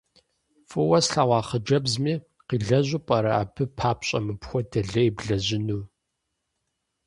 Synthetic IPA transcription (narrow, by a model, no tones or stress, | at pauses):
fʼɨwɐsɬaʁʷɑːχəd͡ʒɐbzmiː | qiːɮɐʑʷupʼɐɾɐa̰ːpʰɨpʰaːpɕʼɐ̰mɨpxʷɔtʰɐɮɐibɮɐʑɪnuː